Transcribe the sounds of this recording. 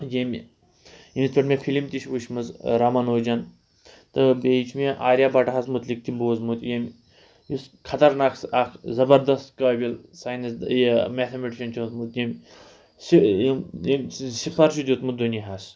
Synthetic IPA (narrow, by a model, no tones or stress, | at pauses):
jemʲ | jimispɐʈmʲefʰilimt̪iʃʋuʃmɐzɾɐmɐnoːd͡ʒɐn | t̪ɨbeit͡ʃʰmeʔaːɾʲjaːbaʈɐɦasmut̪lik̚t̪imboːzmut̪jemʲ | jiskʰɐt̪ɐɾnaːksakʰzɐbɐɾd̪ɐst̪kɐːbʲilsaːjnɐsjemet̪ʰemeʈiʃɐnt͡ʃʰot̪mut̪jemʲ | sijjemʲsifʰɐɾt͡ʃʰud̪jut̪mud̪uniɦaːs